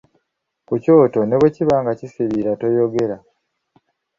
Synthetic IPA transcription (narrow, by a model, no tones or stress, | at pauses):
kuco̞ːto̞ne̞βweciβaːŋɡacisiβiɾato̞jo̞ɡe̞ɾa